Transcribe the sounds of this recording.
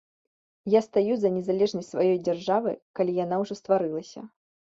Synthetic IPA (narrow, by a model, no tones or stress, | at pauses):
jast̪ajuzɐnʲɛzalʲɛʐnɐsʲtʲsvajɔjd͡zʲarʐavɨ̰kalʲijan̪awʐɔst̪vaɾɨlˠɐsʲɐ̰